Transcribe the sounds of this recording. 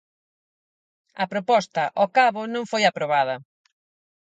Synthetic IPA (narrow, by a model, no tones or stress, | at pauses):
ɐpɾopɔst̪ɐʔɔkaβʊnõŋfojapɾoβaðɐ